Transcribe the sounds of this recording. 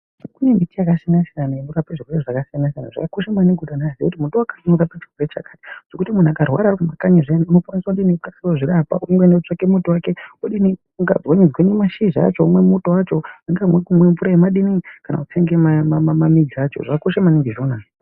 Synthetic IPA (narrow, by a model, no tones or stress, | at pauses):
ʐikunembitijakasinasijanaemuɾapeʐikureʐakasianas̬iana̰ʐa̰kakoʃamaneɡʱuɗanaaziekutimutowakaɲauɾapat͡ʃirwoɾet͡ʃa̰kati̥ʐ̥okutimun̤uakarwa̰ɾakumakaɲiʐeniuno̞kwaniswakudineukaswoʐiɾapa̰uiŋɡweneut͡ʂakemutowakeoɗini | uŋɡa̰d͡zwoɲid͡zwenemaʃiʒa̰t͡ʃo̞umwe̞mutowat͡ʃo̞iŋɡamwekumwemfuɾaemaɗinikana̰ut͡seŋɡemamamamamid͡ziat͡ʃo̰ʐakakoʃamaneŋɡeʒona